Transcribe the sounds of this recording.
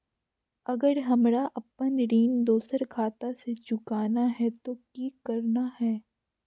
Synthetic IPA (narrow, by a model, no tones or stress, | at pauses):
ɐɡəɾɦɐmɾaʔɐpənɾiːnd̪oːsəɾkʰaːt̪aset͡ʃʊkaːnaɦɛt̪okiːkɐɾnahɛː